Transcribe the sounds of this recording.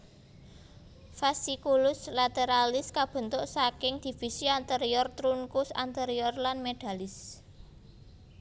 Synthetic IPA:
fasikulʊslat̪eɾalɪskab̥ə̤nt̪ʊʔsakɪŋd̪̥i̤fi̤siant̪eɾiɔrt̪ɾuŋkʊsa̰nt̪eɾiɔrlanmed̪̥a̤lɪs

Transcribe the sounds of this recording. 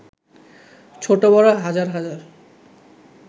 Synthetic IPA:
t͡ɕʰoʈobɔɾaɦad͡ʑaɾɦad͡ʑaɾ

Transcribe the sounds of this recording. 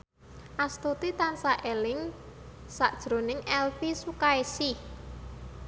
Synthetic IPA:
ʔast̪ut̪it̪ansaʔelɪŋ | saʔd̥ʒ̥ɾonɪŋɛlfisukaesi

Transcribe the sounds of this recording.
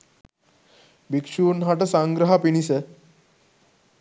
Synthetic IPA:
bikʂunɦaʈəsãŋɡɾəɦapiñise

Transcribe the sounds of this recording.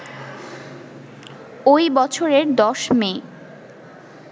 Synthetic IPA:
ojbɔt͡ɕʰoɾeɾd̪ɔʃme

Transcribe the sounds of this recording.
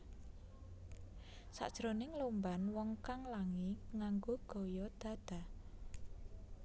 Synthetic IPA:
sa̰ʔd̥ʒ̥ɾonɪŋlombanwɔŋkaŋlaŋiŋaŋɡoɡ̥o̤jɔd̪̥a̤d̪̥a̤

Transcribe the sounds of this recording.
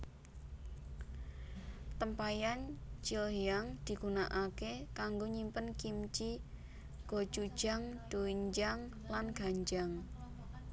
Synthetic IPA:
t̪əmpajant͡ʃilijaŋd̪̥i̤ɡ̥unaʔakekaŋɡoɲimpənkimt͡ʃi | ɡ̥o̤̥d͡ʒ̥ud̥ʒ̥a̤ŋd̪̥oiɲd͡ʒaŋ | lanɡ̥a̤ɲd͡ʒaŋ

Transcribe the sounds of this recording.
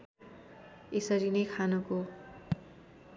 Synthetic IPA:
esʌɾinʌjkʰanʌko

